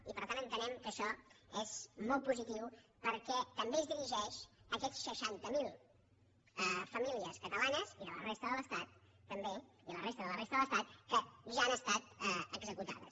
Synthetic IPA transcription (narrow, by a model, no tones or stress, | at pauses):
ipəɾt̪anənt̪ənɛmkəʃɔezmɔlˠt̪̚puzit̪iwpəɾkɛt̪əmbeəzðiɾiʒɛʃəkɛt͡sːəʃant̪əmilˠ | ɛfəmiliəskət̪əlanəziðələ̰rest̪əðələst̪at̪ː | əmbe | iələrest̪əðələrest̪əðələst̪at̪̚kəʒaanəst̪at̪ɛəɡzəkut̪a̰ðə̰s